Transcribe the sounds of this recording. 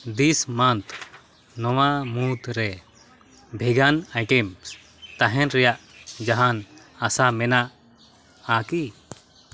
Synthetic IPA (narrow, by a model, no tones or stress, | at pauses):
d̪ismant̪ | nɔwamut̪ɾɛ | bʱɛɡanajʈɛms | t̪aɦɛnɾɛjaʔd͡ʒaɦan | asamɛnaʔ | aki